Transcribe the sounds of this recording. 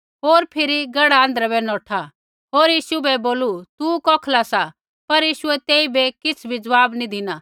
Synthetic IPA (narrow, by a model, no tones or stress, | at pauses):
ɦoːɾpʰɪɾiɡɐɽaə̃nd̪əɾabɛnɔːʈʰa | ɦoːɾjiːʃubɛboːlut̪ukɔːkʰlasa | pɐɾjiːʃʊɛt̪eːibɛkɪt͡sʰbʱid͡zəʋaːbnid̪ʱɪna